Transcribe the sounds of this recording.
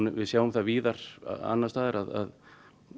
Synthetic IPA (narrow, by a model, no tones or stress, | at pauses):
nvɪðsjaːwʏmθaðviːðaɾ̥̰a̰nːast̪aːðɪɾaða̰ð